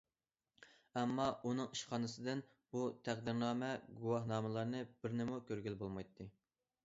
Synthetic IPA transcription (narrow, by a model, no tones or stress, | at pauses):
ɛmːɑunɨŋiʃqɑːnɨsɨd̪ɨn | but̪ʰæq̚d̪ɪɾnɑːmɛɡuwɑhnɑːmɪlˠɑɾnɨb̥ɪɾnɪmukʲʰøɾɡʲylbolˠmɑjt̪ʰːɨ